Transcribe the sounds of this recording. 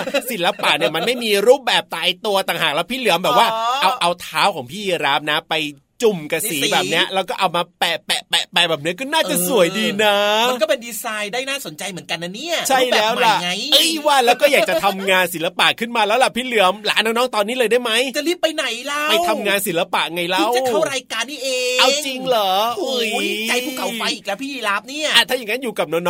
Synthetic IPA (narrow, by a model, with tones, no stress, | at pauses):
si˨˩˦nla˧pa˨˩ʔni˥˩əma˧nma˥˩jmiː˧ɾuː˥˩p̚bɛː˨˩p̚t̪aː˧jt̪u˧ɐt̪aː˨˩ŋɦaː˨˩klɛ˦˥wpʰiː˥˩lɯ˨˩˦mbɛː˨˩p̚waː˥˩ʔa˧wʔa˧wt̪ʰaː˦˥wkʰɔː˩˦ŋpʰiː˥˩ji˧ɾaː˦˥mna˦˥pa˧j | t͡ɕu˨˩mka˧siː˨˦˨bɛː˨˩p̚ni˦˥ɐʔlɛ˦˧˥wkɔː˥˩ʔa˧wmaː˧pɛ˨˩pɛ˨˩pɛ˨˩pɛː˧˩bɛː˨˩p̚ni˦˥ɐkɔː˥˩naː˥˩t͡ɕa˨˩su˨˩˦əjdiː˧naː˦˥˧kɔ˥˩pe˧ndiː˧saː˧jdaː˥˩jnaː˥˩so˩˦nt͡ɕa˧jmɯ˩˦ənka˧na˧˥ni˥˩ɐt͡ɕʰa˥˩jlɛː˦˥wala˨˩ŋa˧jʔɯ˦˥˩jwaː˥˩lɛː˦˥wkɔː˥˩jaː˨˩t͡ɕa˨t̪ʰa˧mŋaː˧nsi˩˦la˧pa̰˨˩ʔkʰɯ˥˩nmaː˧lɛː˦˥wla˨˩pʰiː˥˩lɯ˩˦əmla̰ː˨˦nɔː˦˥ŋnɔː˦˥ŋt̪ɔː˧nːiː˦˥lɤː˧jda˥˩jma˦˥jt͡ɕa˨˩li˦˥pːa˧jna˨˩˦jla˦˥a˥˩jw̪ʰa˧mŋaː˧nsi˨˩˦la˧pa̰˨˩ʔŋa˧jlaiː˥˦˥wkʰa˥˩ɾaː˧jkaː˧nːiː˥˩ʔeː˧ʔa˧wŋt͡ɕi˧ŋlɔː˨˩˦u˧˦˥jka˧jʰuː˥˩kʰa˨˦wfa˧jʔiː˨˩lɛ˦˥pʰiː˥˩iː˧la˦˥p̚ni˥˩ɐa˨˩t̪ʰaː˥˩ja˨˩ŋa˦˥njuː˨˩ka˨˩p̚nɔ˦˥nɔː˦